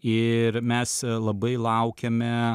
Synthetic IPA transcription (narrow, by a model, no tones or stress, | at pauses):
ɪɾmʲɛslˠɐbɐɪlˠɐʊkʲɛmʲɛ